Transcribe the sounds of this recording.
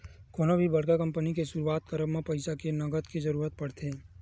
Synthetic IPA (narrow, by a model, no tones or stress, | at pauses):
koːnobʱibɐɽkakɐ̃mpənikesʊɾuaːt̪kɐɾəbmẽpɐɪsakenɐɡət̪kizɐɾuːɾət̪̚pɐɽt̪ʰeː